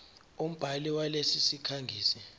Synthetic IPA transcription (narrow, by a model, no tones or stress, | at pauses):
um̩b̥ʱaliwalesisikʰaŋɡʱiːsɛ